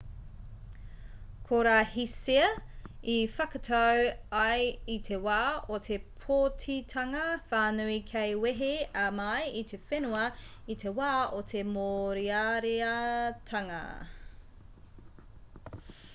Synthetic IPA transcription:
kʰoɾaːhisiɐifɐkɐtʰɐwɐjitʰewaːotʰe̞pʰotʰitʰɐŋɐfaːnuikʰejweɦeɐmɐjitʰefenuɐitʰewaːotʰemoɾiaɾeɐtʰɐŋɐ̰

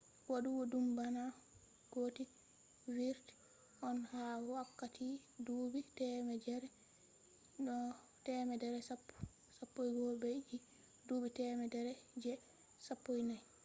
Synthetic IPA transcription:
woɗuwɔdumbana | ɡ̥oti | viɾt | ʔɔnhawakːatʰi | dubitɛmɛd͡ʒɛɾɛ | ɗɔ | tɛmɛdɛɾɛsa | sapːojɡɔbed͡ʒi | dubitɛmɛdɛɾɛd͡ʒɛ | sapːojnaj

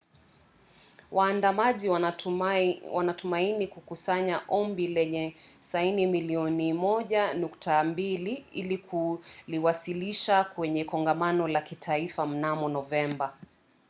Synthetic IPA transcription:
waːndamaʄiw | wanatumainikukusaɲaʔɔmbilɛɲɛsainimiliɔnimɔʄanuktambiliilikʰuliwasiliʃakwɛɲɛkɔŋɡamanɔlakitʰaifam̩namɔnɔvɛmba

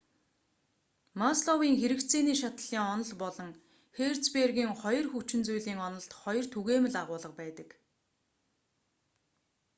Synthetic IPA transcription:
masɮɔwiːŋxeɾɘ̆kt͡sʰeːniːʃat̪ə̆ɮ̥iːŋɔnɞ̆ɮpɔɮɞ̆ŋ | xert͡sperɣiːŋχɔjɞ̆rxut͡ɕɪ̆nt͡sujɮiːŋɔnɞ̆ɮt̪χɔjɞ̆r̥t̪ʰuɣeːmɘ̆ɮaʁʊːɮə̆q̚pæːt̪ə̆k

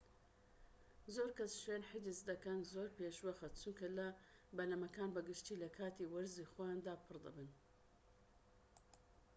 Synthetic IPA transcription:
zoɾkɐsʃwenħɪd͡ʒɨsd̪ɐkɐnzoːɾpeʃwɐxɐt̪̚t͡suŋkɐlɐbɐlɐmɐkaːnbɐɡɨʃt̪iːlɐkʰaːt̪iːwɐɾziːxojaːnd̪aːpʰɨɾd̪ɐ̰bɨn

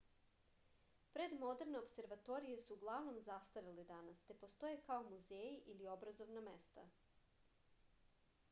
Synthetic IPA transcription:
pɾe̞d̪mo̞d̪eɾne̞o̞pse̞ɾʋat̪o̞ɾije̞suːɡlˠaʋno̞mzast̪aʋilid̪anast̪e̞po̞st̪o̞jekaomuzeːjiʔiliobɾazo̞ʋname̞st̪a̰

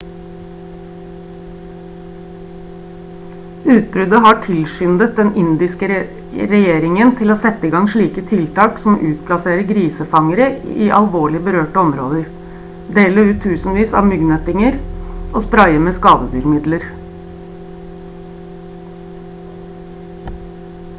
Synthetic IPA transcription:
ʉːt̪̚bɾʉd̪əɦɑʈʰɪlʃʏnd̪ət̪̚d̪ɛnɪnd̪ɪskə | ɾɛjeːɾɪŋənt̪ʰɪloːsɛt̪ːəiːɡɑŋʂɭiːkət̪ʰɪlt̪ɑːksɔmʔʉːt̪pʰlɑseːɾəɡɾiːsəfɑŋəɾəḭːʔɑlʋoːɭɪəbəɾøːʈəɔmɾo̰ːd̪əɾ | d̪eːləʉːt̪ʰːʉːsn̩ʋiːsɑ̰ːʋmʏɡnət̪ɪŋəɾʔoːspɾɑɪəmeːskɑːd̪əd̪yːɾmɪd̪ləɾ

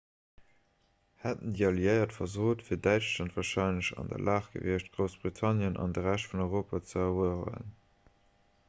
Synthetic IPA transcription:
hætəndiːɑljəɪɐtfɐzoːtfiːɐdæɪt͡ʃlɑntv̥ɑːʃɑɪnləɕɑ̰ndɐ̰lʔaːχɡ̥ə̰viəɕtɡ̥ʁəʊsb̥ʁitʰɑnjənʔɑ̰ndəʁæʃtfunɔʏʁoːpɐt͡səɛuəʁə̰ə̰n

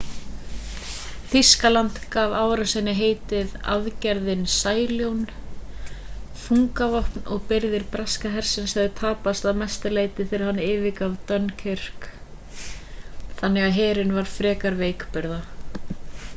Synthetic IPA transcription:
θiskalant̪kavaːwɾasɛnːɪɦeːjt̪ɪða̰ðcɛɾðɪnsaːjljown | fuŋkavɔhpnɔɣpɪɾðɪɾpɾaskaɦɛɾ̥sɪnshɛðɪt̪ʰaːpast̪aðmɛst̪ɪleːjt̪ɪθɪɾɪ̥ɾhanːɪːvɪkavt̪œnːcʰɪr̥k | θanːɛɣaðɦɛːɾɪnvaɾ̥fɾɛːkaɾveːjkpʏɾða

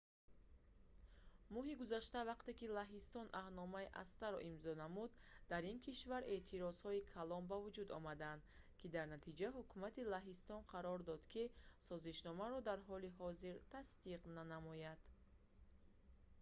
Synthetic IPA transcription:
mɔɦiɡuzaʃt̪avaqt̪e̞kilaɦist̪ɔnʔahnɔmaiʔa̰st̪aɾɔ̰ʔimzɔnamud̪d̪aɾinkʰiʃvaɾʔe̞ʔt̪ʰiɾɔzhɔikʰalɔnbavud͡ʒud̪ɔ̰mad̪and̪ | kʰid̪aɾnat̪ʰid͡ʒaɦukʰumat̪ilaɦist̪ɔnqʰaɾɔɾd̪ɔd̪kʰisɔziʃnɔmaɾɔd̪aɾɦɔliɦɔziɾt̪ʰast̪iqnanamɔjad̪̥

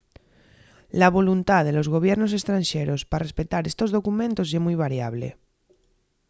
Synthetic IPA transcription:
laβ̞o̞lunt̪aðelo̞zɣo̞β̞jeɾnos̬e̞st̪ɾãnʃeɾosparespe̞t̪aɾe̞st̪o̞zðo̞kumẽnt̪o̞semujβ̞aɾjaβ̞lḛ

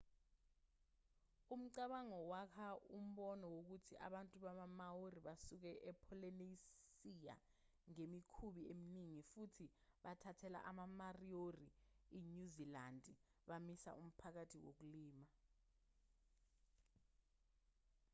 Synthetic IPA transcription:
um̩ǀaɓaŋɔwakʰaum̩ɓɔnɔwok̬utʰiʔa̰ɓantʼuɓaɓamaworiɓasuk̬ɛʔɛpʰɔlɛneisija̰ | ŋemikʰuɓieminiŋifutʰiɓatʰatʰɛla̰ʔamamarioriiɲuzilandʱʼi | ɓamisa̰ʔum̩pʰak̬atʰiwo̰k̬uliːma

